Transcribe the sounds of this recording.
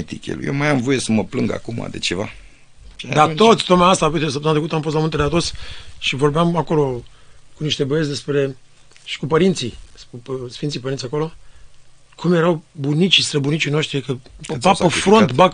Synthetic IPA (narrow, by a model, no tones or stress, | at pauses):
et̪ikʲḛlṵjewmajamvo̞je̞səməplɨŋɡa̰kuma̰d̪e̞̰t͡ʃeva̰ | ʃd̪at̪o̞t̪sʲt̪ot̪majaast̪aːpit̪esəpt̪ənt̪ɾekut̪amfost̪lamunt̪ed̪eat̪o̞t̪sʲʃivo̞rbeamako̞lo̞ | kuniʃt̪e̞bojesd̪e̞spɾe̞ | ʃi̥kupəɾint̪sissfint̪sipəɾinsiako̞lo̞ | kʰumjeɾawbunit͡ʃist̪ɾebunit͡ʃino̞ʃt̪ɾikəpaəfɾont̪bak